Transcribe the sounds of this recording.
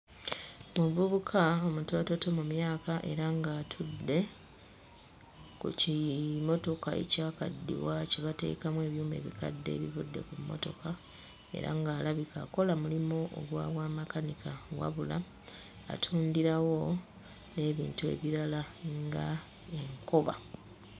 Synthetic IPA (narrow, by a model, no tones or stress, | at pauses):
muvuβukʰaomuto̞ːto̞to̞mumjaːkaʔe̞ɾaŋɡaːtʰudːe̞ | kṵcimo̞to̞kae̞̰caːka̰dːḭwaceβate̞̰ːkamwe̞ːβjuːme̞̰ːβika̰dːe̞̰ːβivudːe̞̰kumːo̞̰to̞ka | e̞̰ɾa̰ŋɡaːlaβikako̞lamulimoʔo̰ɡwa̰ːβwaːmakanikawa̰βula | a̰tʰuːndiɾawo̞ | ne̞ːβḭːntue̞̰βiɾalaŋɡa | e̞ŋko̞βa̰